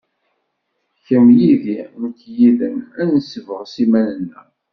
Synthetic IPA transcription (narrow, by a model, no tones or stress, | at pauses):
çəmjiðinəkːjiðənænnəsəvəʁsimænənːə̰